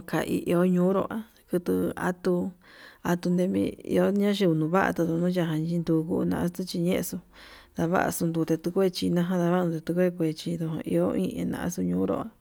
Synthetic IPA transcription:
ka˨ʔḭ˧ʔi˧o˦ɲũː˦ɾo̰˧˨ʔa˦ | kɨ˧t̪ɨ˧a̰˦t̪u˧a˧t̪u˧nd̪e˧mḭ̃˧ḭ˧o˦ɲã˦ʃi˧u˧˨nũ˧βa˦ʔa̰˧t̪a˧t̪u˧nũ˦ja˧ɦã˧ɲ˧t͡ʃi˧nd̪u˧ku˧nã̰˧ʔa˦st̪u˦t͡ʃi˧ɲẽ˦ʔe˧su˧ | ða˧βa̰˦ʔa̰˧su˧nd̪u˧t̪e˧t̪u˧kʷe˦˧t͡ʃi˧nã˦ɦã˦ða˧βa˦˧nũ˧t̪e˧t̪u˧kʷe˦˧kʷe˧t͡ʃi˧ðo˧hã̰˧ʔi˧o˦ĩ˦ḛ̃˧nã̰˧ʔã̰˦su˧ɲũː˦ɾo̰˧˨a˧

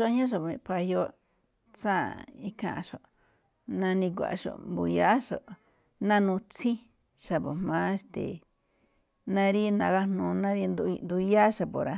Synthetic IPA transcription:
ʃo˧˦ɲ˦õ˦ʃ̬o˨ĩ˧pa˧jo˧ | t͡sã˦i˦kã̰˧˨˧ʃo˨ | nã˧nĩ˧k̬ʷa̰˨ʂo̰˨mbu˧ja˦ʃo˨ | nã˦˧nũ˧t͡sĩ˦ | ʃa˨po˨m̥mã˦ʂt̪ḛ˨ | nã˧ɾi˦nã˧ɣa˦nũ˧nã˦ɾi˧nd̪u˧nd̪u˧ja˦ʃa˧po˨ɾa˧

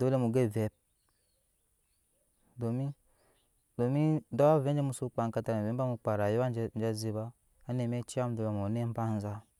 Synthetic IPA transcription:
do˦le˦mu˨ɡe˦˨ve˨˦p̚ | do˨mi˦ | do˨mi˦do˦wa˦ve˦d͡ʒe˦mu˧˦su˦k͡pa˨ŋ˦ka˧ta˨ɾve˨˦ba˦mu˧k͡pa˨ɾa˨ju˦wa˦nd͡ʒa˦zi˧ba˦ | a˦ne˨me˦t͡ʃi˦a˦m˨˦do˨ja˨m˨o˨ne˦m̩˦pa˦n˦za˦

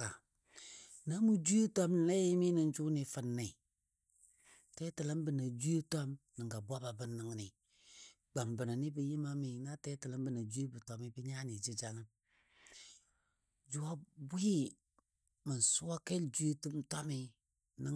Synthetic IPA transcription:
a˨ | na˦mu˦d͡ʒu˦je˦tɔ˦mn˨la˦ji˦mi˦nɨ˨nd͡ʒu˦ni˨fə˨nːi˨ | tɛ˦tɨ˨lə˦m˦bɨ˨na˨d͡ʒu˦e˦tɔ˦mnɨ˨ŋɡa˨ba˦ba˨bɨ˦nːɨ˨ŋ˦ni˨ | ɡ͡ba˨mbɨ˨na˨ni˦bə˨ji˦ma˦mi˨na˦tɛ˦tɨ˨lə˦m˦bɨ˨na˨d͡ʒu˦e˦bɨ˨tɔ˨mi˦bə˦ɲaː˦ni˨d͡ʒi˦d͡ʒa˨ŋə˦ | d͡ʒu˨wa˦bi˦i˦ | mə˨n˨su˦wa˦ke˦ld͡ʒu˦je˦tu˦mtɔ˦mi˦ | nɨ˦

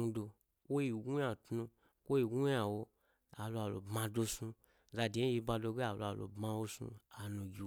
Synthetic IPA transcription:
u˧do˧ | kʷo˦ji˧ɡu˦ja˧˨tnu˧ | kʷo˦i˧ɡu˦ja˧˨wo˧ | a˨lu˧a˨lo̰˨bmã˧do˧su˧ | za˧de˨˧˦i˧ba˧do˧ɡe˦a˨lo̰˧a˨lo̰˨bma˧wo˧sṵ˧a˨nũ˧ɡʲi˨˧

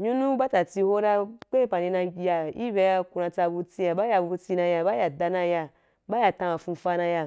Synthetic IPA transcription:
ɲu˦nũ˦ba˦ta˨t͡si˧ho˦ɾa˧k͡pe˦pa˨ni˧na˧˦ja˨i˦be˧˦ja˧ku˧nã˧t͡sa˧bu˧t͡si˧ja˨ba˦ja˧bu˧u˧t͡si˧na˧ja˧ba˦ja˨da˧na˧ja˧ | ba˦ja˨tã˧a˨fũ˧fa˧na˧ja˧

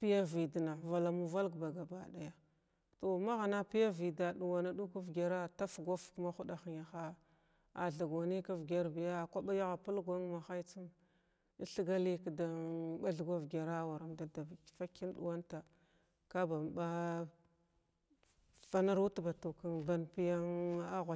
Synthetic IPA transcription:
pi˦ja˦vi˨di˨na˨va˨la˨mu˦va˦lɡba˨ɡa˨ba̰˨ɗa˨ja˦ | to˨ma˦ɣa˨na˦pi˦ja˦vi˨da˨ɗu˨wa˨na˦ɗu˦ku˦vɡʲa˨ɾa˦ta˦fɡʷa˦fkma˦xu˦da˨xi˨na˨xa˦ | a̰˨ɮa˨ɡa˨ni˦ka˦vɡʲa˦ɾbi˨ja˦˨kʷa˦ɓa˦ja˦ɣa˨pu˦lɡʷa˦ŋma˨xa˦jt͡si˦m˦ | ɬi˦ɡa˦li˦kda˨ɓa˦ɮɡʷa˦vɡʲa˨ɾa˦wa˨ɾa˨mda˦da˨bfa˦ki˦n˦ɗṵ˨wa˦nta˨ | ka˦ba˨m˨ba˦ | fa˦na˦ɾu˦tba˨tu˨ka˦nba˦npi˦ja˦ŋa˦ɣʷa˨

